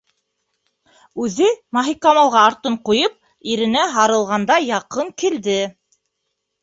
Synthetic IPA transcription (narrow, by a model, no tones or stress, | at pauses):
ʉðɘmɑɦikɑmɑlˠʁɑːɾt̪ɤɴqujɤp̚ | iɾɘ̆næɦɑɾɤ̆lˠʁɑnd̪ɑjɑqɤŋkild̪ɘ